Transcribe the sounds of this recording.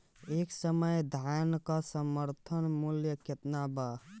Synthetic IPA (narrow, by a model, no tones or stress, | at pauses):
eksəməjd̪ʱankasəməɾt̪ʰənmuljəket̪naba